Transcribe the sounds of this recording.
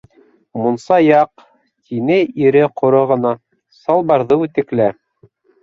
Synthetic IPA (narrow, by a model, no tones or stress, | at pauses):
munsɑjɑq | t̪ʰinɘʔiɾɘqŏɾoʁɤ̆nɑ | sɑlˠbɑɾðɤʉt̪ɘ̆klæ